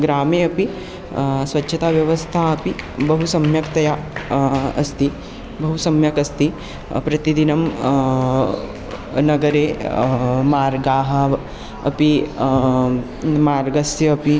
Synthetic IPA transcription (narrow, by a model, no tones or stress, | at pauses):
ɡɾaːmeːɐpi | sʋɐtːʃʰɐt̪aːʋjɐʋɐst̪ʰaːɐpibɐɦusɐmjɐkt̪ɐja | ɐst̪i | bɐɦusɐmjɐkɐst̪i | pɾɐt̪id̪inɐm | nɐɡɐɾeː | maːɾɡaːɦɐ̆ | ɐ̰pi | maːɾɡɐsjɐɐpi